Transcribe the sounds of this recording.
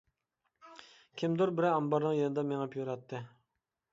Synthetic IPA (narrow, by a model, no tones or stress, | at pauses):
kʲʰɪmd̪uɾbɪɾɑmbɑɾnɨŋjenɨd̪ɑmeŋɛpʰjoɾɑt̪ʰːɨ